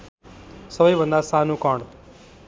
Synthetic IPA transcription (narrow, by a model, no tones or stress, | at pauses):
səbəjbə̃nd̪asãːnũːkɔ̃ːɳɖ